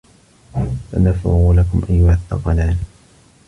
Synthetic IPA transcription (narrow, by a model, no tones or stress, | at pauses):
sa̰nafɪ̰ɣuːlakʊmʔajːʊhaθːɑqɑlaːn